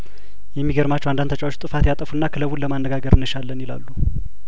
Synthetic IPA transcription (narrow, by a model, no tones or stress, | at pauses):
jɛmːiɡəɾmat͡ʃːwand̪ant̪ʰət͡ʃʼawot͡ʃːt̪ʼɨfat̪jat̪ʼəfunːakʰɨləwulləmanːəɡaɡəɾɨnːɨʃalːənjɪla̰lːu